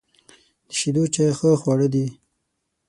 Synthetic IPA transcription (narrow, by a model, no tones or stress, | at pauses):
d̪̥əʃid̪ot͡ʃajxəxwaɽəd̪i